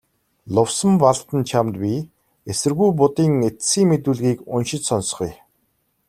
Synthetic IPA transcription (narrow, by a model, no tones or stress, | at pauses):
ɮʊwsə̆mpaɮt̪ə̆nt͡ɕʰamt̪̚pʲiː | esɘ̆rɣujp̬ʊt̪iːŋet͡ssiːŋmet̪uːɮɣiːkʊnʃɪ̆t͡ɕsɔns̆χuj